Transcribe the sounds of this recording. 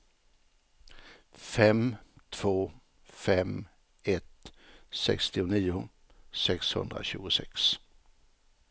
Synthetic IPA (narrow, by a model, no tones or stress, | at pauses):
fɛmt̪ʰv̥oː | fɛm | ɛt̪sɛ̰kst̪ɪʊniːʊ | sɛkshɵ̰nd̪ɾa̰ɕʉ̟ːɡʊsɛks